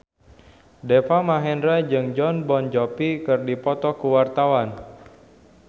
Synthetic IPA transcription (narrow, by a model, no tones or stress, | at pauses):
depamaɦɛndɾɛd͡ʒɨŋd͡ʒɔnbɔnd͡ʒɔpikɨrdipɔt̪ɔkuwart̪awan